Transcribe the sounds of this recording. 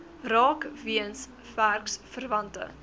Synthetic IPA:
rɑːkviəns | færksfərvɐntə̰

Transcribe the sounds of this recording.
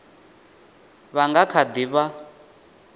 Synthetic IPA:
βaŋɡakʰad̪iβa

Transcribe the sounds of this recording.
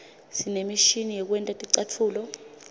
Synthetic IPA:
sinemiʃinijɛk̬wɛntʼatʼiǀatʰuːlɔ

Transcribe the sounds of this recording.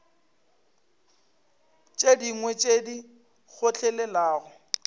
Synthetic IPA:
t͡ʃʼediŋwɛt͡ʃʼedi | ɣʊt͡ɬʰɛlɛlaːɣʊ

